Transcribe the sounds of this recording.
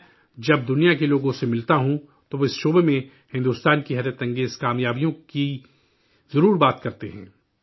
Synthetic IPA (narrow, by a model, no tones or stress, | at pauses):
d͡ʒɐb̚d̪ʊnijakeloːɡõsemɪlt̪aɦũ | t̪oʋoɪsʃoːbemẽ | hɪ̃nd̪uːst̪aːnkiɦɛɾjət̪ɐ̃ŋɡeːzkaːmjaːbijõki | zɐɾuːɾbaːt̪kɐɾt̪eɦɛ̰̃ː